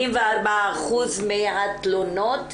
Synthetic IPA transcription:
imveaɾbaaχuzmeat̪lonot

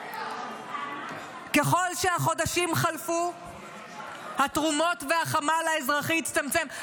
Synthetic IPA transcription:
ke̞χo̞lʃeaχo̞daʃimχalfu | hatʁumo̞tvehaχamalaezʁaχiːt͡st̪amt͡sem

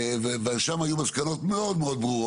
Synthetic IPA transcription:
veveaʃamajumazkano̞t̪meo̞d̪meo̞d̪̚bʁuʁo

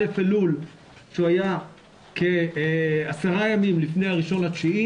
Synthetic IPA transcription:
efelul | ʃuaja | ke̞ | asaʁajamimlifne̞jaʁiʃo̞nat͡ʃii

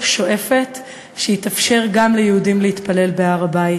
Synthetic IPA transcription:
ʃo̞ʔe̞fe̞t | ʃeitafʃe̞ʁɡamlejeudimlehit̪pale̞lbeaʁabai

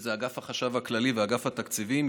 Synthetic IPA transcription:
zeaɡafhaχaʃavhaklaliveaɡafhat̪akt͡sivim

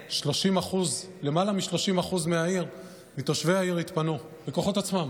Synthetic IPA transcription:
ʃlo̞ʃimaχuz | le̞malamiʃlo̞ʃimaχuzmeaiʁ | mit̪o̞ʃve̞jaiʁit̪pano | beko̞χo̞t̪at͡smam

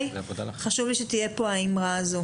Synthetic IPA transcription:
jvodaχaʃuvliʃet̪ije̞poaimʁazo

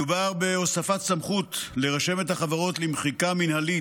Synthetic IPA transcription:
ubaʁbe̞osafat̪samχutle̞ʁaʃe̞methaχavaʁo̞t̪limχikaminhali

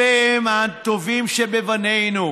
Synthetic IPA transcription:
eemat̪ovimʃebevanejnu

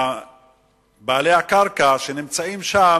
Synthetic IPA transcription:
baːlejhakaʁkaʃenimt͡saimʃa

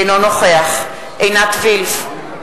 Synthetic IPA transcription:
jnonoχeaχ | ʔejnat̪vilf

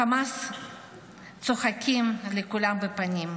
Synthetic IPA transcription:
amas | t̪t͡soχakʲimlekulamvepanʲim

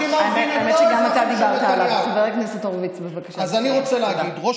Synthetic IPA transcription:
imavnajmeʃeɡamat̪ad̪ibaʁt̪alaasiveʁekniset̪oʁvit͡sbevakaʃaazaniʁot͡seleaɡid̪ʁo

